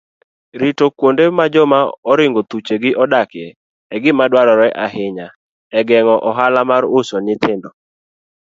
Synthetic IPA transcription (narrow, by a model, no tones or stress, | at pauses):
ɾitokwondemad͡ʒɔmaɔɾɪŋɡot̪ut͡ʃeɡɪʔɔdakjɛ | ɛɡɪmadwaɾɔɾɛʔaɦɪɲa | ɛɡɛŋɔʔɔɦalamaɾʊsɔnɪt̪ɪndɔ